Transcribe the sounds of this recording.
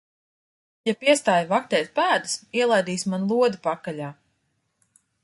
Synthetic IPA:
japiɛst̪aːjvak̚t̪ʲɛːt̪̚pæːd̪ɨsiɛlˠajd̪iːsʲmanlˠuɔd̪ipakːaʎʲaː

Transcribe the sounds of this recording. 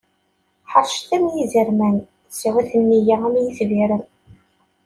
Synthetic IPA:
ħəɾˤʃt̪æmjizəɾmæn | siwæθənːijaæmjiθviɾən

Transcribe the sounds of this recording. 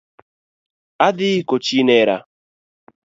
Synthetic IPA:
ad̪ikot͡ʃinɛɾa̰

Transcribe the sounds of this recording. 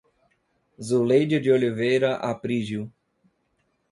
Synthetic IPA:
zulejd͡ʒɪd͡ʒɪolivejɾɐʔapɾiʒiw

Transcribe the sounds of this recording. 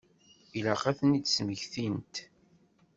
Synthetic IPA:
ilæqæθnid̪sməʝθint̪

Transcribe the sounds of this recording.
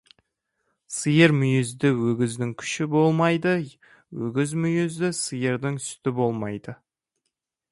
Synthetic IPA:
səjəɾmʏjɪzd̪ɪwɵɡʲɪzd̪ɪŋkʲʰʏ̥ʃɪbo̞lˠmɑjd̪ə | wɵɡʲɪzmʏjɪzd̪ɪsəjəɾd̪ɪŋst̪ɪbo̞lˠmɑjd̪̥ə

